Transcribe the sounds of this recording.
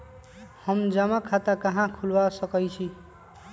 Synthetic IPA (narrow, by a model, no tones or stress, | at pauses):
hʌmd͡zamakʰat̪akʌɦãkʰulwasʌkʌjt͡ʃʰi